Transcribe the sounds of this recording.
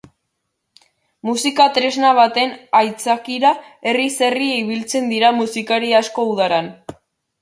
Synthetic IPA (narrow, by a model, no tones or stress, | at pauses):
musikat̪ɾe̞znaβ̞at̪e̞najt͡sakiɾa | e̞rise̞rieiβ̞ilt͡se̞nd̪iɾamusikaɾiasko̞uð̞aɾan